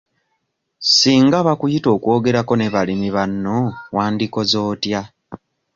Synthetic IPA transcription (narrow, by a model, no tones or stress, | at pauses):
siːŋɡaβakujito̞ːkwo̞ːɡe̞ɾako̞ne̞βalimiβanːowaːndiko̞zo̞ːtja